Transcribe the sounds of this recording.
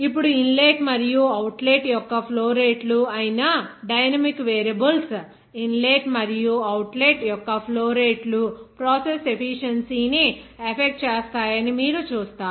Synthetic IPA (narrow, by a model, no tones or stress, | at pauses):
ip̬ːuɽuinleːʈmɐɾijuɐwʈleʈjɔkːɐpʰloːɾeːʈluɐjnɐɖɐjnɐmikːʋeːɾɐbɐls | inleːʈmɐɾijuɐwʈleːʈjɔkːɐpʰloːɾeːʈlupɾɔːsese̞pʰiʂɐnsiːniɐpʰek̚ʈ̚t͡ʃeːst̪aːjɐnimiːɾut͡ʃuːst̪aːɾ